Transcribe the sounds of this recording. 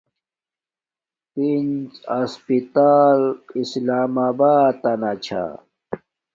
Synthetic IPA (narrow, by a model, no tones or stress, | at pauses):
pind͡ʑɐspit̪aːlislaːmaːbaːt̪ːɐnat͡ɕʰa̰